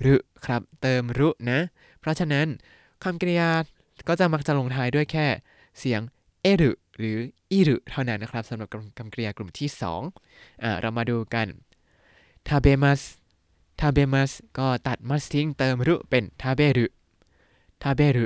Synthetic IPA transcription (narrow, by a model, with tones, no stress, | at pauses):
ɾɯ˦˥kʰɾa˦˥p̚t̪ɤː˧mɾu˦˥ʔna˦˥ʔ | pʰɾɔ˦˥t͡ɕʰa˧na˦˥n | kʰa˧mkɾi˧jaː˧ | kɔː˥˩t͡ɕa˨˩ma˦˥k̚t͡ɕa˨˩ʔlo˧ŋt̪ʰaː˧˥jdu˥˩əjkʰɛː˥˩ | si˩˦əŋ | ʔeː˥˩ɾɯ˨˩ʔ | ɾɯː˩˦ʔiː˥˩ɾɯ˨˩ʔt̪ʰa˥˩wna˦˥nːa˧˦˥kɾa˦˥p̚sa˩˦mɾa˨˩p̚kʰa˧mkɾi˧aː˧klu˨˩mt̪ʰiː˥˩sɔ̰ː˩˦ŋ | ʔaː˧˩ɾʔa˧wmaː˧duː˧ka˧n | t̪ʰaː˧beː˧ma˦˥s | t̪ʰaː˧beː˧ma˦˥skɔː˥˩t̪a˨˩t̪̚ma˦˥st̪ʰi˦˥ŋt̪ɤː˧mɾu˦˥ʔpe˧nt̪ʰaː˧˥beː˥˩ɾɯ˦˥ʔ | t̪ʰaː˧˩beː˥˩ɾɯ˦˥